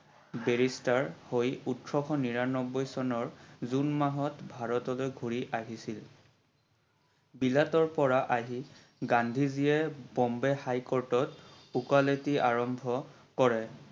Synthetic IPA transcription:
beɹistaɹhojutɹɔkʰɔniɹanɔbɔjsɔnɔɹzunmaɦɔtbʱaɹɔtɔlojɡʱuɹiʔaɦisil | bilatɔɹpɔɹaʔaɦi | ɡandʱiziɛbɔmbɛhajkɔɹtɔt | ukaletiaɹɔmbʱɔ | kɔɹɛ

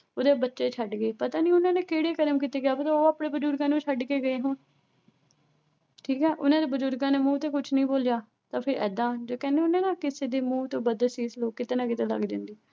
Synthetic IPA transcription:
oːd̪eːbətːʃeːt͡ʃʰəɖɡəeːpət̪aːnĩːʊnãːneːkeːɽeːkəɾəmkiːt̪eːɡɪjaːpət̪aoːaːpɽeːbəd͡ʒʊɾɡãːnũːt͡ʃʰəɖkeːɡəeːɦʊːn | ʈʰiːkɦɛːʔʊnãːd̪eːbəd͡ʒʊɾɡãːneːmũːt̪eːkʊt͡ʃʰnəĩːboːljaː | t̪ãːpʰɪɾɛ̰ːd̪ãːd͡ʒoːkɛ̃ːneːʊnẽːnaːkɪseːd̪eːmuːt̪õːbəd̪siːsloːkːɪt̪eːnãːkɪt̪ẽːlə̰ɡd͡ʒã̰ːnd̪iː

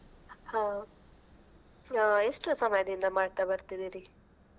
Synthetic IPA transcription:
hãː | aeʂʈusɐmɐjɐd̪ind̪ɐmaːɖt̪abɐɾt̪id̪iːɾi

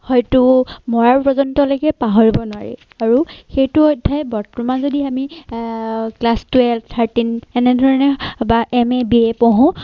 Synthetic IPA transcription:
hɔjtʊmɔɹaɹpɹɔzɔntɔlojkɛpaɦɔɹibɔnʊaɹḭ | aɹuxejtʊɔjdʱːajbɔtɹumazodiami | klastuɛltʰaɹtinɛnɛdʱɔɹɔnɛbaʔɛmɛbiɛpɔɦʊ̃

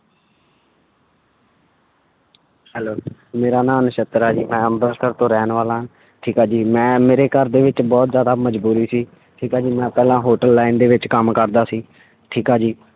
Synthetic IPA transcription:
hɛːloːmeːɾaːnaːnʃət̪ɾaːd͡ʒiːmɛ̃ːəmb̪əɾkəɾt̪õːɾɛːnʋaːlãːɦ | ʈʰiːkaːd͡ʒiːmɛ̃ːmeːɾeːkəɾd̪eːʋɪt͡ʃbɔːt̪zjaːd̪aːməd͡ʒbuːɾiːsiː | ʈʰiːkaːd͡ʒiːmɛ̃ːpɛːlãːɦoːʈəlːaːɪnd̪eːʋɪt͡ʃkəmkəɾd̪aːsiː | ʈʰiːkaːd͡ʒiː

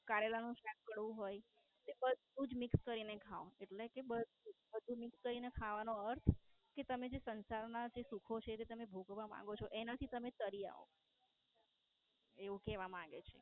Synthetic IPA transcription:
kaɾelanũʃakkəɽʋũɦoj | t̪ebəd̪ʱũd͡ʒmɪkskəɾinekʰaõeʈlekebəd̪ʱubəd̪ʱũmɪkskəɾinekʰaʋanoəɾt̪ʰket̪əmed͡ʒesənsaɾnad͡ʒesukʰot͡ʃʰet̪et̪əmebʱukʋamã̰ŋɡot͡ʃʰoʔenat̪ʰit̪əmet̪əɾia̰o̰ | eʋũkɛʋamaɡḛt͡ʃʰḛ

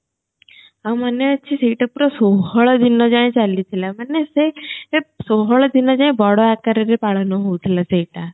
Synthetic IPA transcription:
ãmaneəːt͡ʃʰiseiʈapuɾɔsoɦɔɭd̪inɔd͡ʒãt͡ʃalit̪ʰilamaneseesoɦɔɭd̪ʱinɔd͡ʒãĩbɔɽɔakaɾəɾepaɭ̤nɔɦout̪ʰilaseiʈa

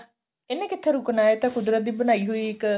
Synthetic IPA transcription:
enːẽːkɪt̪ʰːeɾuknaːet̪ãːkʊd̪ɾət̪̚d̪iːbənaːiːɦuiːɪk

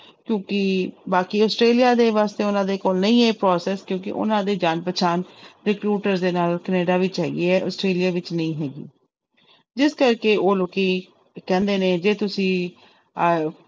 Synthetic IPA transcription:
kjõːkɪbaːkiːɔːsʈɾeːlijaːd̪eːʋaːst̪eːʊnãːd̪eːkoːlnəĩːeːpɾɔːsɛːskjõːkɪ̰ʔʊ̰nãːd̪eːd͡ʒaːnpət͡ʃʰaːnɾɪkɾuːʈəɾzd̪eːnaːlkəneːɖaːʋiːt͡ʃɛːɡḭeɛːʔɔːsʈɾeːlijaːʋɪt͡ʃnəĩːɦɛːɡḭː | d͡ʒɪskəɾkeːoːloːkiː | kɛ̃ːnd̪eːneːd͡ʒeːt̪ʊsĩː

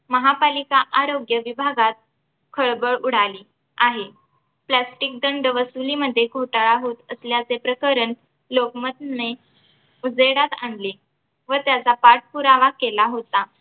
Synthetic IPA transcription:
məɦapalikaʔaɾoɡjəʋibʱaɡat̪̚ | kʰəɭbəɭuɽ̤aliː | aɦe | plasʈik̚d̪əɳɖəʋəsuliməd̪ʱːjeɡʱoʈaɭaɦot̪əsljat͡sepɾəkəɾən | lokmət̪ne | ud͡zeɽat̪a̰nle | ʋət̪jat͡sapaɾʈ̚puɾaʋakelaɦot̪a

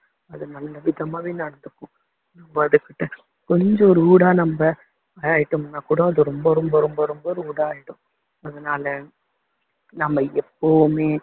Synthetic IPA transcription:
ɐðɯnɐlːɐʋɪðɐmaːʋeːnɐɽɐnd̪ɯkːʊ̃ | nɐmbɐɐðɯkːɪʈːɯ | kɔɲd͡ʒɔ̃ɔɾɯuːɽaːnɐmbɐ | aːaːjɪʈːɯmnaːkuːɽɐ̃ɐðɯɾɔmbɐɾɔmbɐɾɔmbɐɾɔmbɐɾɯuːɽaːaːjɪɽʊ̃ | ɐðɐnaːlɐ | nɐmːɐɛpːɐʋmeː

